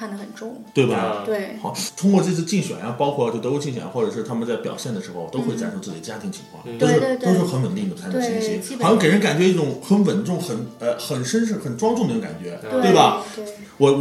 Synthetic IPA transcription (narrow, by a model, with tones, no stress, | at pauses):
kʰa˥˩nd̪ə˩xə˨˩nʈ͡ʂʊ˥ŋt̪we˥˩ɪbɐ˩t̪we˥˩xɑ˨˧˩ʊt̪ʰʊ˥ŋkwɔ˥˧ʈ͡ʂɤ˥˧t͡s̩ʰ˥˧t͡ɕi˥˩ŋɕɥɛ̰˨˩na˥pɑ˥ʊkʰwɔ˥˩t͡ɕo˥˩ɤ˧˥u˧˥t͡ɕi˥˩ŋɕɥɛ̰˨˩n˥xwɔ˥˩ʈ͡ʂɤ˨˩ʂɻ̩˥˧t̪ʰa˥mə˧˨nt͡sa˥˩ɪpjɑ˨˩ʊɕjɛ˥˩nd̪ə˩ʂɻ̩˧˥xo˧ʊ˩˥ʊxwe˥˩ɪt͡ɕja̰˥˩ʈ͡ʂʰu˥t͡sɹ̩˥˩t͡ɕi˨˩ə˩ja˥t̪ʰi˧˥ŋt͡ɕʰi̥˧˥ŋkʰwɑ̰˥˩ŋt̪o˥˧˥ʂɻ̩˥˩˥t̪o˥˧ʊʂ̬ɻ̩˥˩xə˧˥nwə˨˩nli˥˩d̪ə˩t̪ʰa˥˩˥ɕi˥˩ɕi˥xɕɑ˥ŋke˨˩ə˥nka˨˩nt͡ɕɥɛ˧˥i˥˩ʈ͡ʂʊ˧˥˦ŋxə˧˥nwə˨˩nʈ͡ʂʊ˥˩ŋxə˨˩˥nə˧xə˨˩nʂə˥nʂ̬ɻ̩˥˩xə˨˩nʈ͡ʂwɑ˥ŋʈ͡ʂʊ˥˩ŋd̪ŋka˨˩nt͡ɕɥɛ̰˧˥t̪we˥˩ɪbɐ˩ | wɔ˧˩